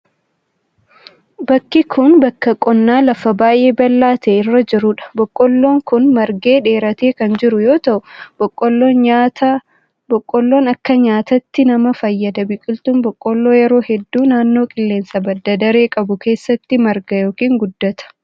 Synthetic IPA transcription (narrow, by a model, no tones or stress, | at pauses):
bɐkːɪkʰʊnbɐkːɐkʼɔnːaːlɐfɐbaːjʔe̞ːbɐlːaːt̪eːɪrːɐd͡ʒɪɾʊᶑɐ̥bɔkʼːɔlːo̞ːŋkʊnmɐɾɡeːᶑe̞ːɾɐt̪e̞ːkɐnd͡ʒɪɾʊjo̞ːt̪ɐʔʊbɔkʼːɔlːot̪ | bɔkʼːɔlːo̞ːnɐkːɐɲaːt̪ɐt̪ːɪnɐmɐfɐjːɐd̪ɐbɪkʼɪlt̪ʊmbɔkʼːɔlːo̞ːjɛɾo̞ːhɛd̪ːuːnaːnːo̞ːkʼɪlːe̞ːnsɐbɐd̪ːɐd̪ɐɾe̞ːkʼɐbʊke̞ːsːɐt̪ːɪmɐɾɡɐjo̞ːkiːŋɡʊd̪ːɐt̪ɐ̥